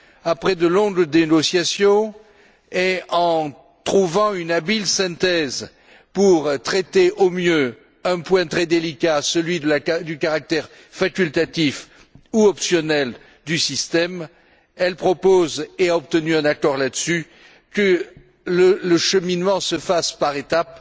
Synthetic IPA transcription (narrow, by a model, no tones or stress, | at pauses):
apχɛd̪əlɔ̃ɡd̪eɡɔsjasjɔ̃ | eɑ̃ | t̪χuvɑ̃ynabilsɛ̃t̪ɛz | puʁt̪χɛt̪eʔomjø | ɛ̃pwɛ̃t̪χɛd̪elikasəlɥid̪əlad̪ykaʁak̚t̪ɛʁ | fakʲylt̪at̪if | uɔpsjɔnɛl | d̪ysist̪ɛm | ɛlpχɔpozeaɔp̚t̪ənyɛ̃nakɔʁlad̪əsy | kə | lələʃəminmɑ̃səfaspaʁet̪ap